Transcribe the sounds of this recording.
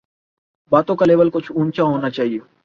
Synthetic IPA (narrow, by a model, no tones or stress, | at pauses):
baːt̪õkaleːʋəlkʊt͡ʃʰũːnt͡ʃaɦoːnat͡ʃaːɦie